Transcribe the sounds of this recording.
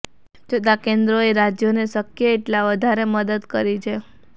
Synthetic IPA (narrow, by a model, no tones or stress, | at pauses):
t͡ʃʰət̪akend̪ɾoeɾad͡ʒjoneʃəkjəeʈlaʋəd̪ʱaɾeməd̪əd̪kəɾit͡ʃʰe